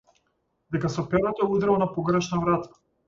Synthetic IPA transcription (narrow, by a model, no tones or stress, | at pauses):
d̪ɛkasɔpɛɾat̪ɔɛud̪ɾɛvanapɔɡɾɛʃnavɾat̪ʰḁ